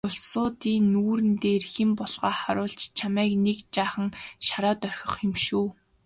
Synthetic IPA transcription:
ʊɮsʊːt̪iːnuːɾɘ̆nt̪eːrxempɔɮʁ̥aːχaɾʊːɬt͡ɕt͡ɕʰamæːknekt͡ɕaːχə̆ŋʃaɾaːt̪œr̥ʲxʲɞ̆χxɪmʃuː

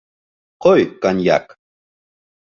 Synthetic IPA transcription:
qojkanja̰k

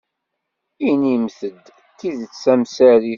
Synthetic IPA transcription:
inimθəd̪ | kiðət͡sːæmsæɾi

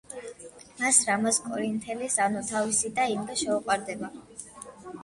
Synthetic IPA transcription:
masɾamaskʼɔɾint̪ʰɛlisanut̪ʰavisid̪aimvɛʃɛuqʼwaɾd̪ɛba

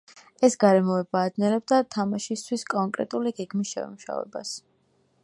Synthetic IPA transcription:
ɛsɡaɾɛmɔɛbaːd̪nɛlɛb̚d̪at̪ʰamaʃist̪ʰwiskʼɔŋkʼɾɛ̰t̪ʼuliɡɛɡmisʃɛ̰muʃa̰vɛ̰ba̰s

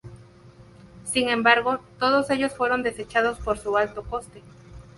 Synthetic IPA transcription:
siŋẽ̞mbaɾɣo̞t̪o̞ð̞o̞se̞ʝo̞sfwe̞ɾo̞nd̪e̞se̞t͡ʃað̞o̞spoɾsualt̪o̞ko̞st̪e

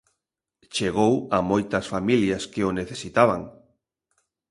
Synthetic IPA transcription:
t͡ʃeɣ̞owamojt̪ɐsfamiljɐskeoneθesit̪aβaŋ

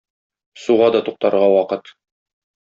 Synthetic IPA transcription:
suʁɑd̪ɒt̪uq̚t̪ɑɾʁɑwɒqɤt̪

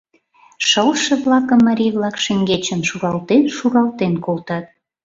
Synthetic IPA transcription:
ʃəlʃə̆βlɑkə̆mːɑɾʲijβlɑkʃĕŋɡet͡ɕə̆nʃuɾɑlt̪enʃuɾɑlt̪enkolt̪ɑt̪̚

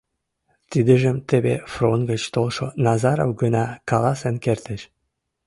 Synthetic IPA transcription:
t̪id̪ə̆ʒəmt̪eβḛfronɡət͡ɕt̪olʃonɑzɑɾo̰wɡənɑkɑlɑsenkert̪ə̆ʃ

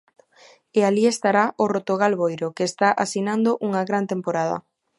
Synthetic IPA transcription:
ealiest̪aɾaʔorot̪oɣalβojɾokeːst̪aʔasinand̪oʔuŋɐɣɾant̪empoɾað̞ɐ̰

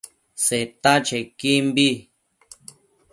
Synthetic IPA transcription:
set̪ãt͡ʃekimbi

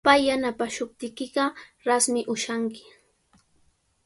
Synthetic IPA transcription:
pajːanapaʃʊp̚t̪ɪkɪɢɑɾasmɪʔʊʃaŋkɪ̥

